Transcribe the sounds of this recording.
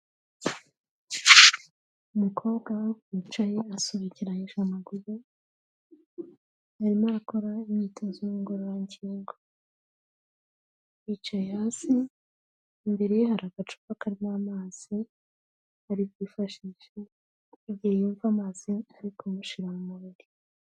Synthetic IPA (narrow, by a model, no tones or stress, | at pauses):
umukʰo̞ːβɡawokwit͡ʃajeasuβiciɾajeʒamaɡuɾu | aɾimaako̞ɾaimɲiːtʰazojumuɡuɾojaɲɟiːŋɡo | it͡ʃajehaːsiː | mbeɾehaɾaɡ̥at͡ʃu̥βakaɾimaːmaːz̥i | aɾibjiːfaʃiʃeː | ɟiejuɱvamaːziaɾikʰomuʃiɾamumuβiɾi